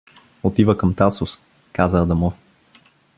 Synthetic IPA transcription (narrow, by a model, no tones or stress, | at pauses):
ot̪ivəkəmt̪asʊs | kazəːd̪ɐmɔf